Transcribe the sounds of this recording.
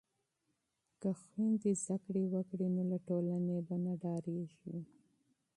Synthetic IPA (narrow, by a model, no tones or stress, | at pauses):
kaxwind̪izd̪akɽewəkɽinolaʈolanebanaɖɑɾeʒi